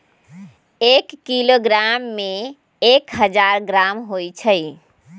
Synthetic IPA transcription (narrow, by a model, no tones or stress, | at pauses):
ekːiloɡɾamːe | ekɦəd͡ʒaɾɡɾamɦojt͡ʃʰəj